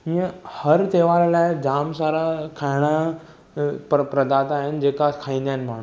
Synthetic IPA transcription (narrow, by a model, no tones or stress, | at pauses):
ɦiə̃hɐɾt̪eːʋaːɾlaːɪd͡ʑaːmsaːɾakʰaːɪɽ̃a | ppɾɐd̪aːt̪aɦɪn̆d͡ʑeːkakʰaːĩːnd̪aːɪnɪmaːɳ̤u